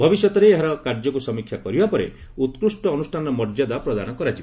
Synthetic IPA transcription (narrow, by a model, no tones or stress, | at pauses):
bʱɔbisjɔt̪ɔɾeːɦaɾɔkaɾd͡ʒɔkusɔmikʰːjakɔɾibapɔɾḛ | ut̪kɾusʈɔːnusʈʰanɔmɔɾd͡ʒad̪apɾɔd̪anɔkɔɾad͡ʒib